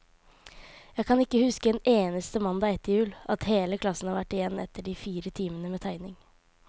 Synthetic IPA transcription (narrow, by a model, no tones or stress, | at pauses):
jæɪkʰɑnɪkːəhʉskəɛneːnəst̪əmɑnd̪ɑːɛt̪ːɪjʉːlʔɑt̪heːləkʰlɑsn̩hɑːɾʋæʈːɪjɛnːɛ̰t̪ːəɖiːfiːɾət̪ʰiːmənəmeːt̪ʰæɪnɪŋ